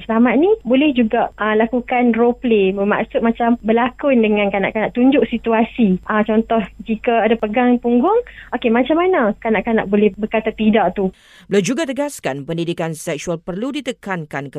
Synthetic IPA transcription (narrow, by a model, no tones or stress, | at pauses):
səlamat̪̚nibolɛhd͡ʒuɡaʔʔəlakukanropleməma̰ʔsʊt̪̚mat͡ʃambəlakʊndəŋãnkana̰ʔkanaʔt̪uɲd͡ʒʊʔsit̪uasiʔat͡ʃɔnt̪ɔhd͡ʒikaadapəɡaŋpuŋɡʊŋokemat͡ʃamːanakanaʔkana̰ʔbolɛhbəkat̪at̪idaʔt̪u | bəlad͡ʒuɡat̪əɡaskanpəndidikansɛk̚sualpərludit̪əkankankə